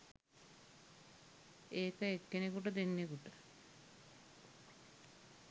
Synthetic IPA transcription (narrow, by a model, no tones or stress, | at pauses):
eːkəekːenekuʈəd̪enːekuʈə